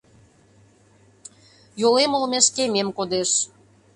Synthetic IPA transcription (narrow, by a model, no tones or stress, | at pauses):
jolemolmeʃkememkod̪eʃ